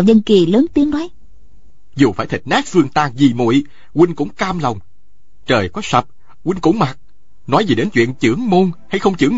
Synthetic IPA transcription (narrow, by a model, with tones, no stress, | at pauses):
wzə˧nki˨˩ləː˨˦nt̪i˨˦əŋnɔ˨˦j | zu˨˩faː˧˩jt̪ʰï˨˩k̚naː˦˥k̚fɨ˧əŋt̪aː˧ŋzi˨˩mṵ˧˨j | kwi˧ŋ̟kʊ̰˧˥ŋ͡mkaː˧mla˨˩wŋ͡m | t͡ɕəː˨˩jkɔ˨˦sə˨˩p̚ | kwi˧ŋ̟kʊ̰˧˥ŋ͡mma˨˩t̚ | nɔ˨˦jzi˨˩ɗe˨˦nt͡ɕwḭ˧˨ənt͡ɕɨ̰˧˥əŋmo˧nha˧jxə˧wŋ͡mt͡ɕɨ̰˧˩əŋ